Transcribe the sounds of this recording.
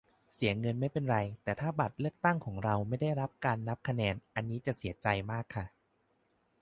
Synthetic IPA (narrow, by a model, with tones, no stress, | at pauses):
si˩˦ɐŋɤ˧nma˥˩jpe˧nɾa˧jt̪ɛː˨˩t̪ʰaː˥˩ba˨˩t̪̚lɯ˥˩ək̚t̪a˥˩ŋkʰɔː˩˦ŋɾa˧wma˥˩jda˥˩jɾa˦˥p̚kaː˧nːa˦˥p̚kʰa˧nɛː˧nʔa˧nːiː˦˥t͡ɕa˨˩ʔsi˩˦t͡ɕa˧jmaː˥˩kʰːa˥˩